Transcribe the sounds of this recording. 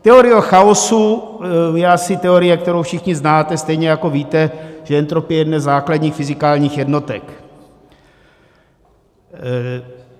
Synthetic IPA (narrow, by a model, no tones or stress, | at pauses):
t̪ɛoɾɪjoxaosu | jɛasɪt̪ɛoɾɪjɛkt̪ɛɾowfʃɪxɲɪznaːt̪ɛst̪ɛjɲɛjakoviːt̪ɛʒ̥ɛɛnt̪ɾopɪjɛɛdnɛzaːkladɲiːxfɪzɪkaːlɲiːxjɛdno̞t̪ɛ̰k